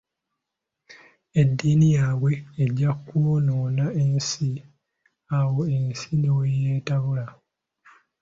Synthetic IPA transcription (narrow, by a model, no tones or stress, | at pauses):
e̞dːiːnijaːwe̞ːɟːakːwonoːnaensi | awoensinewejeːtaβula